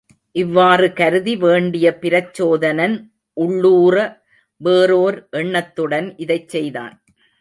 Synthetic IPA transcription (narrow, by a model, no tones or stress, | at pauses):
ʔɪʋːaːrɯkɐɾɯðiʋeːɳɖɪjɐpɪɾɐt͡ʃːoːðɐnɐn | ʔʊɭːuːrɐ | ʋeːɾoːɾʔɛɳːɐt̪ːɯɽɐnʔɪðɐɪt͡ʃsɛjða̰ːn